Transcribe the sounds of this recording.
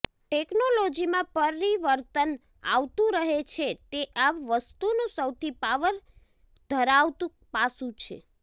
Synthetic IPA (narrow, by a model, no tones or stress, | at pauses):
ʈeknolod͡ʒimãpəɾiʋəɾt̪ən | a̰ʋt̪ũɾəɦet͡ʃʰet̪eʔaʋʋəst̪unũsəwt̪ʰipaʋəɾ | d̪ʱəɾaʋt̪ũ | pasũt͡ʃʰḛ